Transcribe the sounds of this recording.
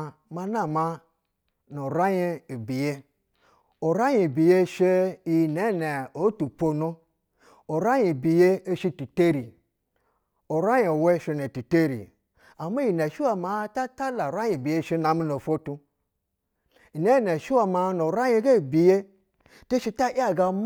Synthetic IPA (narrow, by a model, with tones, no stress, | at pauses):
ma˧na˦˨ma˧ | no˨ɾa˦je˦i˨bi˨je˦ | o˨ɾa˦ji˨bi˨je˦ʃe˦i˨ne˨˦˨ne˨o˨˦tu˨po˦˨no˦ | o˨ɾa˦ji˨bi˨je˦e˦ʃi˧tu˨te˦ɾi˨ | o˨ɾa˦je˨o˨we˦˨ʃe˧ne˨ti˨te˦ɾḭ˨ | a˨ma˦˨i˨ne˨ʃi˦wa˦ma˨˦ta˦ta˦la˨ɾa˦ji˨bi˨je˦˨ʃe˦na˨mi˦no˨fo˦tu˧ | i˨ne˦ne˨ʃi˦wa˨ma˧no˨ɾa˦je˦ɡe˦˨bi˨je˦ | te˦ʃi˧ta˦ʔa˦ɡa˨m